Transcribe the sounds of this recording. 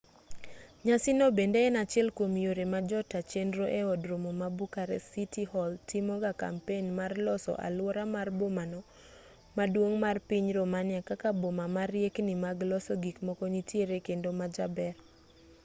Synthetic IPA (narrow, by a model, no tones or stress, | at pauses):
ɲasɪnobendeːnat͡ʃɪɛlkomjoɾemad͡ʒɔtat͡ʃendɾoʔeɔdɾomomabukaɾɛ̰sitihɔltʰimɔɡaka̰mpenmarlɔsɔ̰ʔa̰lwɔɾamarbomanɔ | madwoŋmarpiɲɾomanɪakakabomamaɾjeknimaɡlɔsɔɡikmɔkɔnitjeɾekendomad͡ʒabɛɾ